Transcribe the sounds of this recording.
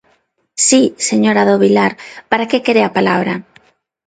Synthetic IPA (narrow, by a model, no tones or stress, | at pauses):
siseɲoɾaðoβilaɾpaɾakekeɾeapalaβɾɐ